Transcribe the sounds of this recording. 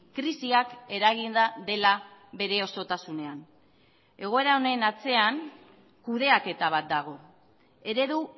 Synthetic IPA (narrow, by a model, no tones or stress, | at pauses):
kɾisiake̞ɾaɣ̞ind̪aðe̞laβe̞ɾe̞o̞so̞t̪asune̞an | e̞ɣ̞o̞e̞ɾaone̞nat͡se̞aŋ | kuðe̞ake̞t̪aβ̞at̪̚d̪aɣ̞o̞ | e̞ɾe̞ðu